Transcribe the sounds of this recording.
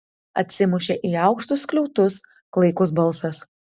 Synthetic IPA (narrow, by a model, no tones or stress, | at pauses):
ɐ̰t̪ʲsʲɪmʊʃʲeʔiːɑˑʊkʃt̪ʊsklʲɛʊt̪ʊs | klˠɐɪkʊs̬bɐlˠsɐs